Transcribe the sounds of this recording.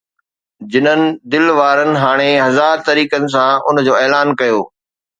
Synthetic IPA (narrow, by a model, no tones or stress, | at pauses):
d͡ʑɪnənɪ̆d̪ɪlʋaːɾənɪ̆ɦaːɽ̃eɦɐzaːɾt̪ɐɾiːkənɪ̆s̬ãʊnd͡ʑoːɛːlaːnkɐjoː